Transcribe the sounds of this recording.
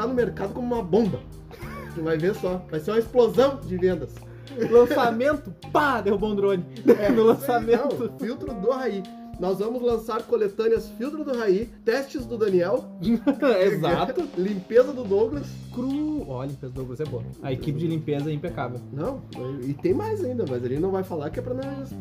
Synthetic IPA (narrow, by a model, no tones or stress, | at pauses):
anʊmeɾkad̪ʊkõmʊũmɐbõbɐ̃ | vajveɾsɔvajseɾũmɐɪsplozɐ̃w̃d͡ʒɪvẽnd̪ɐs | lɐ̃samẽnt̪ʊpad̪ewbõd̪ɾõnɪɛʊlɐ̃ssammẽnt̪ʊffiwt̪ɾʊd̪ʊɦai | nɔzvɐ̃mʊzlɐ̃saɾkolet̪ɐ̃niɐsfiwt̪ɾʊd̪ʊɦait̪ɛst͡ʃɪzd̪ʊd̪ɐniɛw | ezat̪ʊlĩpezɐd̪ʊd̪oɡlɐskɾuɔlĩpezɐd̪ʊd̪oɡlɐszɛboɐɐekipɪd͡ʒɪlĩpezɐɛĩpekavewnɐ̃w̃nɐ̰̃wɪt̪ẽj̃majzaĩnd̪ɐmɐzalinɐ̃w̃vajfalaɾkɪɛpɾɐnɔs